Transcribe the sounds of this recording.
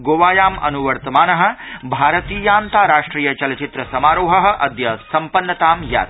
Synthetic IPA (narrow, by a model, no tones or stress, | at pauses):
ɡoːʋaːjaːmɐ̰nuʋɐɾt̪ɐmaːnɐɦɐ̆bʱaːɾɐt̪iːjaːnt̪aːɾaːʂʈɾiːjɐt͡ʃɐlɐt͡ʃit̪ɾɐsɐmaːɾoːɦɐɦɐ̆ʔɐd̪jɐsɐmpɐnːɐt̪aːmja̰ːt̪̚